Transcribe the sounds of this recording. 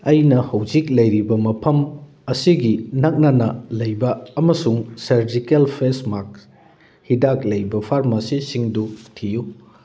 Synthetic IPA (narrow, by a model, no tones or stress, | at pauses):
ɐjnɐhɐwd͡ʒik̚lɐjɾibɐmɐpʰɐm | ɐsiɡinɐk̚nɐnɐlɐjbɐːmɐsuŋsɐɾd͡ʒikelpʰesmak̚ | hidak̚lɐjbɐpʰaɾmasisiŋdutʰiju